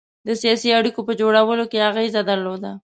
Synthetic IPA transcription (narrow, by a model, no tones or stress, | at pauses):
d̪əsijɑsiaɽikopəd͡ʒoɽawəlokeaɣezad̪əɾlod̪a